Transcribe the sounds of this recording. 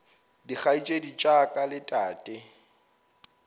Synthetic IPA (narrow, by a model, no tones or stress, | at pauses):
dik͡xait͡ʃʼedit͡ʃʼakʼalɪtʼaːtʼɪ